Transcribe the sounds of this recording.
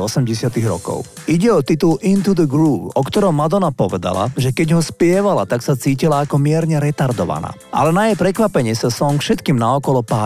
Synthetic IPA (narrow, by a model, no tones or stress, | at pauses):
ɔsɛmɟɛsɪat̪iɣɾɔ̰kɔ̰ʊ | iɟɛɔt̪it̪ulʔint̪ud̪əɡɾuːpɔkt̪ɔɾɔmmːad̪ɔnapɔʋɛd̪a̰la̰ʒɛkɛɟɦɔspɪɛʋala̰t̪aksat͡siːcilaːkɔmɪɛɾɲɛɾɛt̪aɾd̪ɔʋa̰na̰ː | ʔa̰lɛnajɛjpɾɛkʋapɛɲɪɛsasɔŋfʃɛt̪kiːmnaɔkɔlɔpaː